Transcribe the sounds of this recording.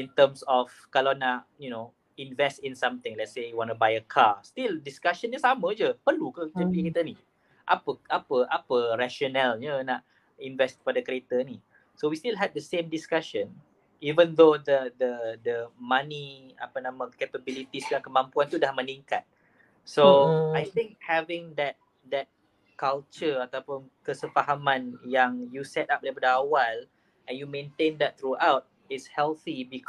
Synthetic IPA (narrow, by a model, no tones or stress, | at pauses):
ĩnt̪əmsɔf | kalawnaʔjuno | invɛstĩnsãmt̪ɪ̃ŋlɛt̚sejuwɔnəbajəkʰast̪ildiskaʃənd͡ʒəsamə̃d͡ʒəpərlukəd͡ʒəpikit̪əni | ʔa̰pəapəʔapəɾaʃɔnɛlɲənaʔ | invɛskə̥padakəɾet̪əni | sowist̪ilɦɛd̚dəsẽmdiskaʃə̃n | ivə̃nd̪od̪əd̪əd̪əmãnia̰panãmãkepəbilit̪islakəmãmpuant̪udahmənĩŋkat̪̚ | soajt̪ɪ̃ŋk̚hɛvɪ̃ŋd̪ɛt̪̚ | d̪ɛt̪̚ | kalt͡ʃəat̪apʊnkəsəfaɦamãnjaŋjusɛt̪ap̚dapadaawal | ʔɛ̃njumẽnt̪ẽnd̪ɛt̪̚t̪ɾuʔawt̚ | ɪtshɛlθibik